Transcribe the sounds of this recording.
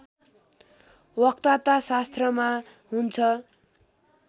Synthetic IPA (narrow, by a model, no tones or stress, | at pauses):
wʌkt̪at̪asast̪rʌma | ɦunt͡sʰʌ